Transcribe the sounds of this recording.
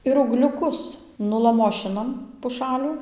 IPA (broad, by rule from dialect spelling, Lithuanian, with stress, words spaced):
ɪr uːɡlʲʊˈkʊs nʊlˠɐˈmoːʃʲɪnɐm pʊˈʃɑːlʲuː